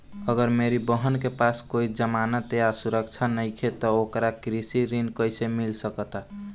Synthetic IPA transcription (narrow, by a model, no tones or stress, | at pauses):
əɡəɾmeɾibəɦənkepaskoid͡ʒəmanət̪easuɾəkt͡ʃʰanəjkʰet̪ɔokɾakɾisiɾinkəjsemilsəkət̪a